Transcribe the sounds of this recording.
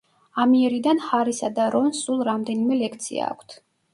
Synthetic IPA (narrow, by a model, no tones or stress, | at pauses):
amiɛɾid̪anχaɾisad̪aɾɔnsːulˠɾamd̪ɛnimɛlɛkʰt̪sʰḭa̰ːkʷʰt̪ʰ